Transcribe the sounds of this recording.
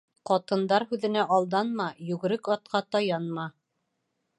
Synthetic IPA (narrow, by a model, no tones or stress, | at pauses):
qɒt̪ɤ̆nd̪ɑɾɦʉðɘ̆næʔɑlˠd̪ɑnmɑjʉɡɘ̆ɾɘkɑt̪̚qɑt̪ɑjɑnmɑ